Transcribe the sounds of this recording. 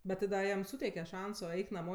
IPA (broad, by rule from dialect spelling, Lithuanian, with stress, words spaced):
bʲɛt tʲɪ ˈdɐ ˈjɛm ˈsuːtʲɛɪkʲɛ ˈʃɐnsoː ˈɛɪk nɐˈmoː